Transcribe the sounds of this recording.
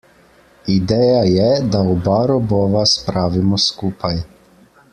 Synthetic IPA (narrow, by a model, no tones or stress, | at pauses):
id̪eːjajɛd̪aɔbaɾɔbɔʋaspɾaːʋimɔskupʰaj